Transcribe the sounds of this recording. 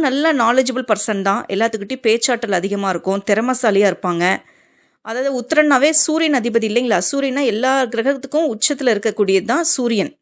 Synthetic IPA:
nɐlːɐnaːled͡ʒɐbɐlpɐɾsɐɳt̪ãːʔɛlːaːt̪ːɯkːɪʈːipeːt͡ʃaːʈːɐlɐðɪɣɐmaːɪɾɯkːʊ̃t̪ɪɾɐmɐsaːlɪjaːɪɾɯpːaːŋɡɐ | ʔɐðaːɯðɯʊt̪ːɐɾɐnːaːʋeːsuːɾɪjɐnɐðɪbɐðiɪlːɛŋɡɪlaːsuːɾɪjɐnːaːɛlːaːɾɯkɾɐɣɐt̪ːɯkːʊ̃ʊt͡ʃːɐt̪ːɪlɐɪɾɯkːɐkːuːɽɪjɐðɯt̪ãːsuːɾɪjɐn

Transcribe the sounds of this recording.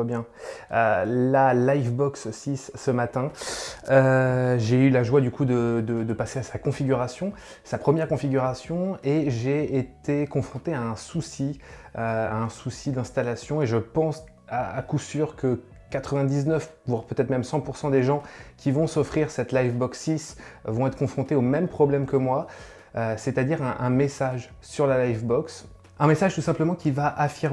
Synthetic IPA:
abjɛ̃ | ølalajvbɔkssisːəmat̪ɛ̃øʒeylaʒwad̪ykʰud̪əd̪əd̪əpaseasakɔ̃fiɡʲyʁasjɔ̃ | sapχəmjɛʁkɔ̃fiɡʲyʁasjɔ̃eʒeːt̪ekɔ̃fχɔ̃t̪eaɛ̃susiøaɛ̃susid̪ɛ̃st̪alasjɔ̃eʒəpɑ̃s | aa̰kusyʁkə | kat̪χəvɛ̃d̪iznœf | vwaʁpøt̪ɛt̪χmɛmsɑ̃puʁsɑ̃d̪eʒɑ̃kʲivɔ̃sɔfχiʁsɛt̪lajvbɔksːisvɔ̃ɛt̪χəkɔ̃fχɔ̃t̪eomɛmpχɔblɛmkəmwa | øset̪ad̪iʁɛ̃ʔɛ̃mesaʒ | syʁlalajvbɔks | ɛ̃mesaʒt̪usɛ̃pləmɑ̃kʲivaʔafiʁ

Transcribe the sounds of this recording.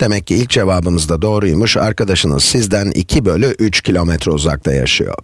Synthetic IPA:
d̪̥e̞mɛc̚ʰːiilʲc̚d͡ʒe̞vaːbɯmɯzd̪ad̪o̞ːɾujmuʃa̰ɾkad̪aʃɯnɯ̰z̥sizd̪ænḭcʰibø̞lʲyʔyt͡ʃcʲʰilʲo̞mɛt̪ʰɾɛuza̰k̚t̪ʰaja̰ʃɯ̰jo̞̰

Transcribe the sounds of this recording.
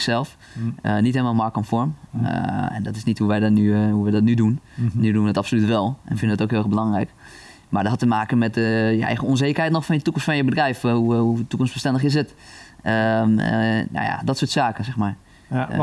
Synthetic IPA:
ksɛlˠf | ənitɦelˠəmalˠmaɹkɔnfɔɹm̰ | ɛ̰ndɔtɪsnithuʋɛjdɔtnyɦuʋədɔtnydunnydunʋədɔtapsolytʋɛlˠʔɛ̰nfɪndədɔtowkɦɪlˠɛxbəlaŋrɛjk | madɔtɦɔtəmaːkənmɛtjəɛ̰jxənonzeːkərɦɛjtnɔxfɔnjətukomstfɔnjəbədrɛjfɦuutukɔmsbəstɛndəxɪsət | ə | na̰ja̰dɔtsuːtsaːkənsɛxmaɹ

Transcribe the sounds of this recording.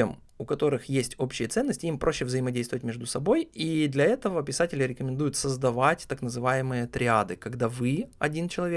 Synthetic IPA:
əm | ʊkɐt̪o̞ɾɨxjesʲtʲo̞pɕːɪjət̪sɛnːəsʲtʲɪimpɾʔo̞ɕːɪvzəjɪmɐdʲejst̪vəvətʲmʲeʐd̪ʊsɐbo̞jid̪lʲɐɛt̪əvəpʲɪsatʲɪlʲɪɾʲɪkəmʲɪnd̪ujʊt̪səzd̪ɐvatʲt̪aknəzɨvajɪmɨjət̪ɾʲɪad̪ɨkɐɡd̪avɨɐdʲint͡ɕɪlˠɐvʲe

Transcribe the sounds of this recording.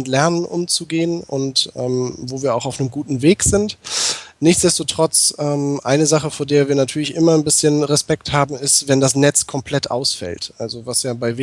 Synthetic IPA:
tlɛɐnənʔʊmt͡suɡeːənʔʊntʔɛ̰ːmvoːviːɐaʊxaʊfnəmɡuːtn̩veːkz̥ɪntnɪçtt͡sd̥ɛstotʁ̥ɔt͡sʔɛːmʔa̰ɪnəzaχəfoːɐdeːɐviːɐnatʰyːɐlɪçʔɪmɐnbɪsçənʁɛspɛkthaːbm̩ɪstv̥ɛndasnɛt͡skʰɔmpʰl̥ɛtʔa̰ʊsfɛ̰ltʔalzovasjaːbaɪve

